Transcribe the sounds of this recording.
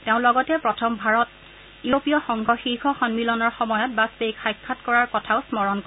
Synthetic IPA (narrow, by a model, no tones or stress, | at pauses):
teʊ̃lɔɡɔtɛpɹɔtʰɔmbʱaɹɔt | uopijɔxɔŋɡʱɔxiɹxɔxɔnmilɔnɔɹxɔmɔjɔt̚basbejkʰajkʰːatkɔɹaɹkɔtʰaʊsmɔɹɔnkɔ